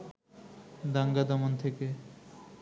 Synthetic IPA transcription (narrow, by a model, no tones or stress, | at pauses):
d̪aŋɡad̪amont̪ʰeke